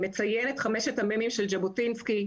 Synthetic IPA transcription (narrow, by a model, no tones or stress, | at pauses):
me̞t͡sajenet̪χameʃetamemimʃeld͡ʒabotinski